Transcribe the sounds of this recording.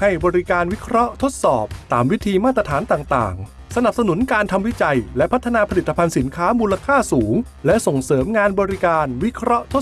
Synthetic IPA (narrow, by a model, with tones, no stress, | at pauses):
ha˥˩jbɔː˧ɾi˦˥kaː˧nwi˦˥kʰɾɔ˦˥ʔt̪ʰo˦˥t̪̚sɔː˨˩p̚t̪aː˨˩mwi˦˥t̪ʰiː˧maː˥˩t̪ɾa˧t̪ʰaː˩˦nt̪aː˨˩ŋt̪a̰ː˨˩ŋ | sa˧na˨˩p̚sa˧nu˩˦nkaː˧nt̪ʰa˧mwi˦˥t͡ɕa˧jlɛ˦˥pʰa˦˥t̪ʰːa˧naː˧pʰa˧li˨˩t̪ːa˧pʰa˧nsi˩˦nkʰaː˦˥muː˧la˧kʰaː˥˩suː˩˦ŋ | lɛ˦˥ʔso˨˩ŋsɤː˩˦mŋaː˧nbɔː˧ɾi˦˥kaː˧nwi˦˥kʰɾɔ˦˥ʔt̪ʰo˦˥